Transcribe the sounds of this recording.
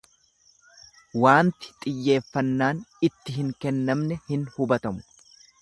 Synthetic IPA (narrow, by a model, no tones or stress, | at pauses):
waːnt̪ɪ̥t̪ʼɪjːe̞ːfːɐnːaːnɪt̪ːɪɦɪŋkɛnːɐmnɛhɪnhʊbɐt̪ɐmʊ̥